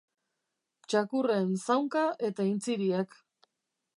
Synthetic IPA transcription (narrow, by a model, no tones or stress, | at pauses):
t͡ʃakure̞nsawŋkaʔe̞t̪aint͡siɾiak